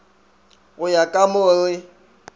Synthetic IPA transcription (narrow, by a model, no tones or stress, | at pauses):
ɣʊjakʼamʊlɪ